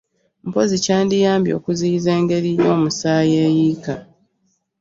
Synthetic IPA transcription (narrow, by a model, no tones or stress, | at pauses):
m̩po̞zicaːndijaːmbjo̰ːkuziːze̞ːŋɡe̞ɾino̞ːmusaːjeːjiːka